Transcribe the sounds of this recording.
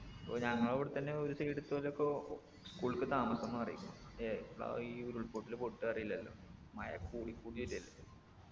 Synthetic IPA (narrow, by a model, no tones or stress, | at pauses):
ɐpːo̰ːɲɐŋːɐɭoʋiɽet̪ːɐnːeoɾuseːʈit̪ːɨoleokːe | skuːɭkːɨt̪aːmɐsenːɨpɐrɐ̰jukʲːuɳo̰eɽo̰iːoɾuɭpoːʈːilpoʈːɨɐrɐjilːɐlːo̰mɐjɐ̰kːuːɽikːuːɽiʋilːɐɐlːɐ